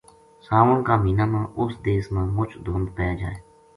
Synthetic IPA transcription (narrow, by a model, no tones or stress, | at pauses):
saːʋəɳkaːmiːnaːmãːʔʊsd̪eːsmãːmʊt͡ʃʰd̪ʱoːnd̪pɛːd͡ʒa̰ːeː